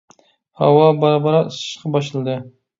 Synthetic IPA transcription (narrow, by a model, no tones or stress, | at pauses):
hɑ̰wɑbɑɾɑbɑɾɑsɨ̥ʃqɑbɑʃ̬ɨlˠɨd̪ɨ